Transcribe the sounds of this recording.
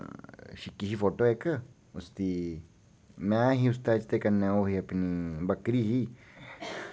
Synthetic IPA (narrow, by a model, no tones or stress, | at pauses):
ʃikiɦifot̪oekə | ust̪i | mãɦius̬t̪at͡ʃt̪ekanɛ̃ohiapinĩbakɾihi